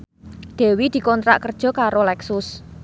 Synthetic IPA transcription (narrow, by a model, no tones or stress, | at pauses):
d̪̥e̤wid̪̥i̤kɔnt̪ɾa̰ʔkərd̥ʒ̥ɔ̤kaɾolɛksʊs